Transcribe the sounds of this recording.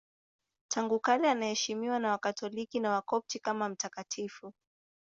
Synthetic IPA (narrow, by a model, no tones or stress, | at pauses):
tʰaŋɡukalɛanahɛʃimiwanawakatʰɔlikinawakɔp̚tikamam̩takatʰifu